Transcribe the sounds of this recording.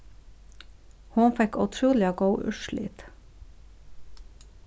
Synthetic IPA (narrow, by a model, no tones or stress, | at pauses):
hʊnfɛkʉt̪ʰɾuːlɪɑɡəʊʔʉ̰ʃlḭːt̪